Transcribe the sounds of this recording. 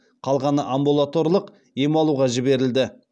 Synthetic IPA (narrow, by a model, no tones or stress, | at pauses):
qʰɑlˠʁɑnəʔambulˠat̪o̞rlˠəq | jemɑlˠuʁɑʒɪbe̞ɾɪld̪ɪ